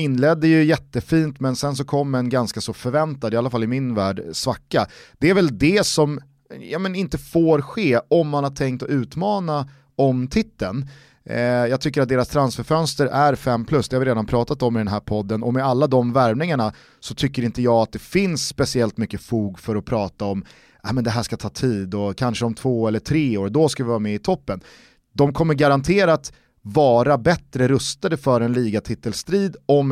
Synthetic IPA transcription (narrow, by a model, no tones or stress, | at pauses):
ɪnːlɛd̪ːəjɵjɛt̪ːəfiːnt̪mɛnsɛns̬ɔkʰɔmːəɛnɡanskasɔfœɾvɛnt̪ad̪ɪalːafalːɪmɪnvæːɖsvakːad̪̥ɛæɾvɛld̪ɛsɔm | jɑːmɛnɪnt̪əfoːɾɧeːɔmːanhaʈ̪ʰɛŋkt̪ɔʉ̟ːt̪mɑːna | ɔmt̪ʰɪt̪ːən | jɑːɡ̚t̪ʰʏkːəɾat̪̚d̪eːɾast̪ʰɾansfœɾfœnst̪əɾæɾfɛmːpʰlɵsd̪ɛhavɪɾeːd̪anpʰɾɑːt̪at̪ɔmːɪd̪ɛnɦæːɾpʰɔd̪ːənɔmɛalːad̪ɔmvæɾmnɪŋaɳa | sɔt̪ʰʏkːəɾɪnt̪əjɑːɡat̪̚d̪ɛfɪnsːpɛsɪɛlt̪mʏkːəfuːɡfœɾɔpʰɾɑːt̪aɔm | ʔaːmɛnd̪ɛɦæːʂkat̪ʰɑːt̪ʰiːd̪ɔkʰanʂəɔmt̪ʰv̥oːɛlːəʈʰɾeːoːɾd̪ɔskavɪvɑːɾamɛɪt̪ʰɔpːən | d̪ɔmkʰɔmːəɾɡaɾant̪ʰeːɾaːt̪ | vɑːɾabɛt̪ɾəɾɵst̪ad̪əfœɾɛnliːɡat̪ʰɪt̪ːəlst̪ɾiːd̪ɔm